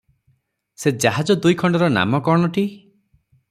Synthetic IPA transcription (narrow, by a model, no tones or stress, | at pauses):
sed͡ʒaɦad͡ʒɔd̪ujkʰɔɳɖɔɾɔna̰mɔkɔɽ̃ɔʈi